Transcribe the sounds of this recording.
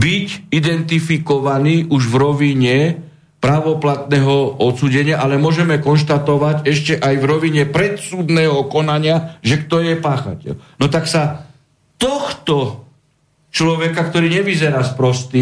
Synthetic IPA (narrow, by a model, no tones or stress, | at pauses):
bicid̪ɛnt̪ifikɔʋaniːʔuʒvɾɔʋiɲɛ | pɾaʋɔplat̪nɛːɦɔɔt̪suːɟɛɲɪaʔalɛmʊɔʒɛmɛkɔnʃt̪at̪ɔʋaɟɛʃcɛʔajvɾɔʋiɲɛpɾɛt̪suːd̪nɛːɦɔkɔnaɲɪaʒɛkt̪ɔjɛpaːxa̰cɛ̰lnɔt̪aksa | t̪ɔxt̪ɔ | t͡ʃlɔʋɛkakt̪ɔɾiːɲɛʋizɛɾaːspɾɔst̪i